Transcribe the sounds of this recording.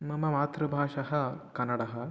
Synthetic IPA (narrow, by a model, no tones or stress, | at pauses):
mɐmɐmaːt̪ɾɐbʱaːʂɐɦɐ̆kɐnːɐɽɐɦɐ̆